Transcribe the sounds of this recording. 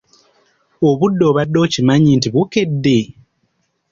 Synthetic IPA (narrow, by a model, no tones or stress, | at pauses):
oβudːo̞βadːo̞ːcimaɲintiβokedːe